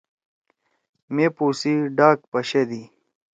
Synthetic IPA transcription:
mepuːsiɖaːk̚pɐɕed̪i

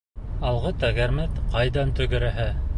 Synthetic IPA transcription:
ɑlˠʁɤt̪æɡæɾmɘt̪qɑjðɑnt̪ɵ̆ɡɘ̆ɾæ̆ɦæ

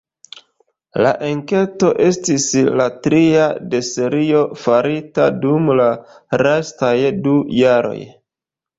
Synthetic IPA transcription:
la̰ʔeŋke̞to̞ʔe̞stislatɾiade̞se̞ɾio̞faɾitadumla | ɾestajdujaɾo̞̰j

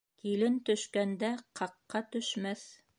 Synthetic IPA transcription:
kilɘnt̪ɵ̆ʃkænd̪æqʰɑqːɑt̪ɵ̆ʃmæθ

